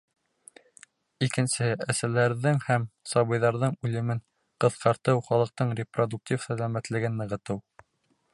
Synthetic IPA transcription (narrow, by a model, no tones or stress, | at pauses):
ikɘ̆nsɘɘæsælæɾðɘŋhæmsɑβɤ̆jðɑɾðɤɴʉlɘ̆mɘɴ | qɤ̆θqɑɾt̪ɤwχɑlˠɤ̆q̚t̪ɤɴrʲɪprod̪uk̚tʲifsælæmæt̪lɘ̆ɡɘnːɤ̆ʁɤ̆t̪ɤw